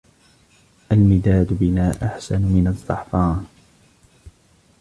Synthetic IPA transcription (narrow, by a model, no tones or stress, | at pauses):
ʔalmɪd̪aːd̪bɪmaːʔaħsanmɪnɑzˤːɑ̰ħfɑːn